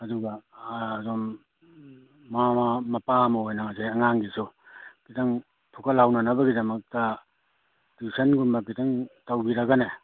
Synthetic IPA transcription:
ɐduɡaːzɔm | amamɐpamɔɦojnaŋaseɐŋaŋɡisukitɐŋ | pʰukɐlhawnɐnɐbɐɡidɐmɐk̚tɐ | disʰɐnɡumbɐkitaŋtawbiɾɐɡane

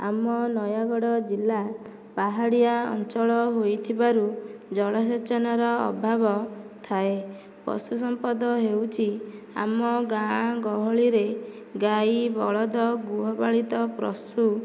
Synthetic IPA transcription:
a̰mɔnɔjaɡɔɽɔd͡ʒilːa | paɦaɽijaɔ̰nt͡ʃɔɭɔɦojt̪ʰibaɾud͡ʒɔɭɔs̬et͡ʃɔnaɾɔɔ̰bʱabɔt̪ʰae | pɔ̰st̪us̬ɔmpɔd̪ɔɦewt͡ʃʰi | a̰mɔɡaɡɔɦɔɭiɾe | ɡajbɔɭɔd̪ɔɡuɦɔbaɭit̪ɔpɾɔ̰stu

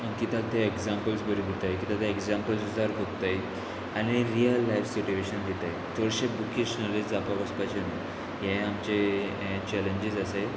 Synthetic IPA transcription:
əkit̪ãk̚t̪eeɡzampəlsbəɾibʱut̪ajkit̪ad̪eeɡzampəlsud͡zaɾɦot̪aj | añiɾijəlːajfsuʈuʋeɕənd̪ʱet̪ajt̪ʰoɽɕebukiɕnalisd͡zapaʋəspat͡ɕən | jẽamt͡ɕe | t͡ɕɛleɲd͡ʑizase

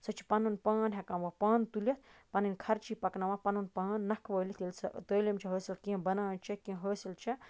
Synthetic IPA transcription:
sɐt͡ʃʰi̥pɐnunpaːnɦɐkɐ̃mʋɐpaːnt̪ulʲɐt̪̚ʰpɐninkʰɐɾt͡ʃʰipɐknɐʋãpɐnunpaːnːɐkʰʋəːlit̪ilsɐt̪əːlʲɐmt͡ʃʰiɦəːsilkĩbɐnaːnt͡ʃʰɐkĩɦəːsilt͡ʃʰɐ

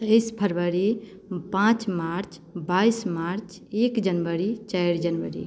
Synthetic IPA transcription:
əjspʰəɾbəɾi | pãt͡ʃmaɾt͡ʃ | baismaɾt͡ʃ | ekd͡ʒənbəɾit͡ʃajɾd͡ʒənʋəɾḭ

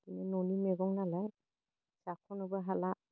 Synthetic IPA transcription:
kinɯnɔnimɛɡɔŋnalaj | sakʰɔnɔbɯɦala

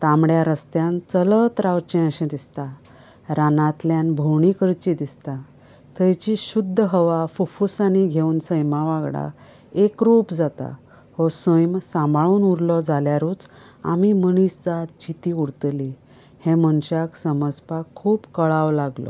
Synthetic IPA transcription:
t̪ãmɽjaɾəst̪jant͡sələt̪ɾawt͡ɕẽəɕẽd̪ist̪a | ɾanãt̪ljanbʱowɳikəɾt͡ɕid̪ist̪a | t̪ʰəjt͡ɕiɕud̪ʱːəɦəʋafufusañiɡʱeuːnsəjmaʋaɡɽa̰ | ekɾupd͡zat̪a̰ | hɔsəjmsãmbʱaɭuːnuɾlɔd͡zaljaɾuːt͡s | a̰miməɳiːsd͡zat̪̚d͡ʑit̪iuɾt̪li | hẽmənɕaksəməspakʰuːpkəɭaʋlaɡlɔ̰

